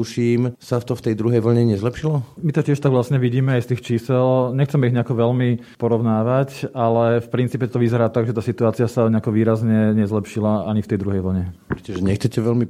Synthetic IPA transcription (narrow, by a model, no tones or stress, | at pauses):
uʃiːmsaft̪ɔft̪ɛjd̪ɾuɦɛjʋl̩ɲɛɲɛzlɛpʃilɔmit̪ɔcɪɛʃt̪aɡʋlasɲɛʋiɟiːmɛajst̪iːxt͡ʃiːsɛlɲɛxt͡sɛmɛiɦɲɛakɔʋɛlmi | pɔɾɔʋʊnaːʋacalɛfpɾint͡siːpɛt̪ɔʋizɛɾaːt̪aɡʒɛt̪aːsit̪uaːt͡siasaɲɛakɔʋiːɾazɲɛɲɛzlɛpʃilaaɲift̪ɛjd̪ɾuɦɛjʋl̩ɲɛpɾɛtɔʒɛɲɛxt͡sɛcɛʋɛlmi